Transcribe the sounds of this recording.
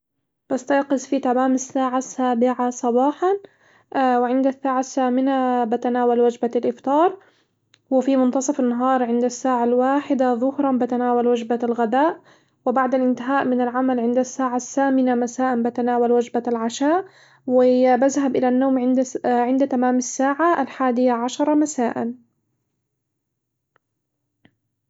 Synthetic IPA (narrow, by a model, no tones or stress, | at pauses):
b̥ast̪ɑjqɨsˤfit̪amaːmasːaːʕasːaːbɪʕasˤɑbɑːħɑn | wɪʕɪnd̪asːaːʕasːaːmɪnabat̪anaːwalwad͡ʒbalʔɪft̪ɑːɾˤ | wɪfimʊnt̪ɑsˤɑfanːaɦɑːɾˤʕɪnd̪asːaːʕalwaːħɪd̪aðˤʊhɾˤɑnbɪt̪anaːwalwad͡ʒbalɣad̪aːʔ | wɪbaʕd̪alʔɪnt̪ɪɦaːʔmɪnalʕamalʕɪnd̪asːaːʕasːaːmɪnamasaːʔanbat̪anaːwalwad͡ʒbalʕaʃaːʔ | wɪbaðɦabʔɪlanːoːmʕɪnd̪ʕɪnd̪t̪amaːmasːaːʕaalħaːd̪ɪjaʕaʃɑɾˤɑmasaːʔa̰n